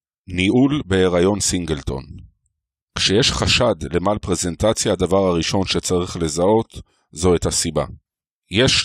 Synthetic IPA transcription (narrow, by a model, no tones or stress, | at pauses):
niʔulbeeʁajo̞nsiŋɡe̞lt̪o̞̰n | kʃejeʃχaʃad̪le̞malpʁe̞ze̞ntat͡sjaːd̪avaʁhaʁiʃo̞nʃet͡saʁiχle̞zao̞t̪ | zo̞ethasiba̰ | jeʃ